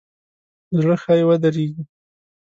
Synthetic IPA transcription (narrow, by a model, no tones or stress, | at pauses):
zɽəxɑjewad̪aɾeɡi